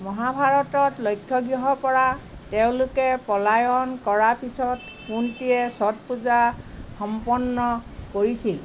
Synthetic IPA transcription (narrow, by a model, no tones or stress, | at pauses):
mɔɦabʱaɹɔtɔtlɔjkʰːɔɡɹɔɦɔpɔɹateʊ̃lʊkɛpɔlajɔnkɔɹapisɔt | kuntijɛsɔt̚puzaxɔmpɔnːɔkoɹisil